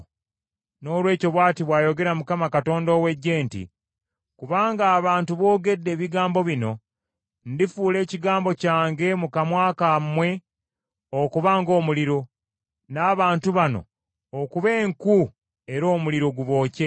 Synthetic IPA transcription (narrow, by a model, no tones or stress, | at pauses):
no̞ːlwe̞ːco̞βwaːtiβwaːjo̞ɡe̞ɾamukamakato̞ːndoːwe̞ɟːe̞ːntḭ | kuβaːŋɡaːβaːntuβo̞ːɡe̞dːe̞ːβiɡaːmbo̞βino̞ | ndifuːle̞ːciɡaːmbo̞caːŋɡe̞mukamwaːkamːwe̞ | okuβaːŋɡo̞ːmuliɾo̞ | naːβaːntuβano̞̰ː | kuβe̞ːŋku | e̞ɾo̞ːmuliɾo̞ɡuβo̞ːce̞